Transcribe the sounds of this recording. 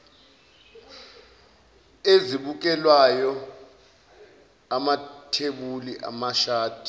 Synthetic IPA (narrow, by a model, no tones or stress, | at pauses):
eziɓuk̬ɛlwajɔ | amatʰeɓuliʔa̰maʃaːd̥ʱi̥